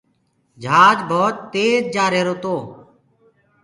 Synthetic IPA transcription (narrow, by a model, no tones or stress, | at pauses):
d͡ʒʱaːd͡ʒbʱoːt̪ːeːd͡ʒd͡ʒaːɾeːɾoːt̪oː